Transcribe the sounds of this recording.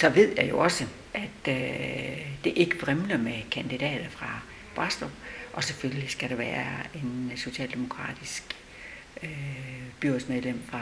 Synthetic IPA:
sɒ̽ʋe̝ð̰ˠjɑ̈jo̝ɒ̽sə | ʔæd̥ | d̥e̝ʔe̝ɡ̥əb̥ʁemlɐmekʰænd̥id̥ɛ̰ːd̥ɐfʁɑ̈ | b̥ʁɑ̈sd̥ɒʔɒ̽seføllisɡ̥æɾ̥ɑ̈ʋæːɐe̝nso̝ɕɛ̰ːld̥e̝mo̝kʰʁɑ̰̈ːd̥isɡ̥ | øb̥yɐ̰d̥smeðˠlem̰fʁɑ̈

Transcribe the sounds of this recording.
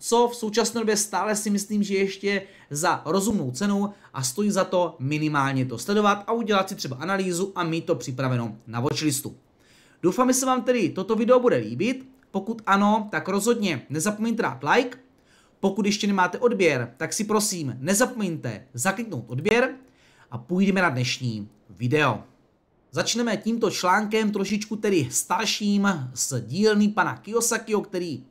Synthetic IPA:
t͡so̞fso̞wt͡ʃasnɛːdobjɛst̪aːlɛsɪmɪsliːmʒɛjɛʃcɛ | zaɾo̞zumno̞wt͡sɛnow | ʔast̪o̞jiːzat̪o̞mɪnɪmaːlɲɛt̪o̞slɛdo̞vat̪ʔauɟɛlat̪sɪt̪r̥ɛbaʔanaliːzuʔamiːt̪ːo̞pr̥ɪpɾavɛno̞̰navo̞t͡ʃlɪst̪ṵ | d̥owfaːmʒɛsɛvaːmt̪ɛdɪt̪o̞t̪o̞vɪdɛobudɛlḭːbɪt̪ | po̞kut̪ʔano̞t̪akɾo̞zɦo̞dɲɛnɛzapomɛɲt̪ɛda̰ːt̪lajk | po̞kut̪jɛʃcɛnɛmaːt̪ɛʔo̞dbjɛɾt̪aksɪpɾo̞siːmnɛzapo̞mɛɲt̪ɛ̰zaklɪkno̞wt̪ʔo̞dbjɛɾ | ʔapujdɛmɛnadnɛʃɲiː | vɪdɛo̞̰ | zat͡ʃnɛmɛciːmt̪o̞t͡ʃlaːŋkɛmt̪ɾo̞ʃɪt͡ʃkut̪ɛɾɪst̪aɾʃiːmzɟiːlnipana̰kɪo̞sakɪɦo̞k̚t̪ɛɾiː

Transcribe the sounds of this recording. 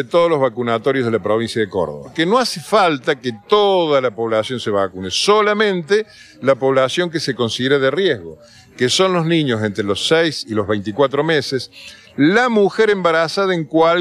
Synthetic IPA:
et̪oðolozβakunat̪o̞ɾjozð̞elapɾo̞β̞insjaɐðeko̰ɾðoβa̰keno̞asefalt̪aket̪oðalapo̞βlasjo̞nseβakunesolamẽ̞nt̪e | lapo̞βlasjo̞ŋk̬eseko̞nsiðeɾeðerjeɦɣo̞̰ | keso̞nloznĩɲos̬e̞nt̪ɾelo̞sɛjsilo̞zβejnt̪ikwat̪ɾomeses | lamuxeɾembaɾasaðaeŋkwa

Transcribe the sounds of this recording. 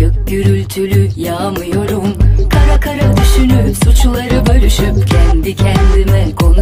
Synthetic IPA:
ɯk̚ɟyɾylʲt̪ʰylʲyjaːmɯjoɾumkʰaɾakʰaɾad̪yʃynysut͡ʃulˠaɾɯbø̞lʲyʃypcʰɛnd̪icʰɛnd̪imɛkʰo̞n

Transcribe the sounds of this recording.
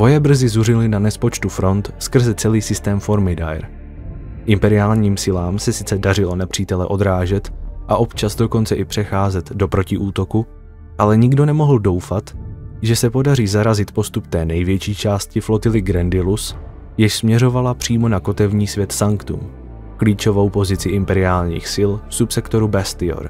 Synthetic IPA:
vo̞jɛbr̩zɪzurɪlɪnanɛspo̞t͡ʃt̪ufɾo̞nt̪skr̩zɛt͡sɛliːsɪst̪ɛːmfo̞ɾmɪda̰jɾ | ʔɪmpɛɾɪaːlɲiːmsɪlaːmsɛsɪ̥t͡sɛdarɪlo̞nɛpr̝̥iːt̪ɛlɛʔo̞d̪ɾaːʒɛt̪ʔaʔo̞pt͡ʃazdo̞ko̞nt͡sɛʔɪpr̥ɛxaːzɛt̪do̞pɾo̞cɪʔuːt̪o̞ku | ʔalɛɲɪɡdo̞nɛmo̞ɦl̩do̞wfat̪ʒɛsɛpo̞dariːzaɾazɪt̪po̞st̪upt̪ɛːnɛjvjɛt͡ʃiːt͡ʃaːscɪflo̞t̪ɪlɪɡɾɛndɪlus | jɪʃsmɲɛɾo̞valapr̝̥iːmo̞nako̞t̪ɛvɲiːsvjɛt̪saŋkt̪ṵːm | kliːt͡ʃo̞vo̞wpo̞zɪt͡sɪʔɪmpɛɾɪaːlɲḭːxsɪlfsupsɛkt̪o̞ɾubɛst̪ɪo̰ɾ

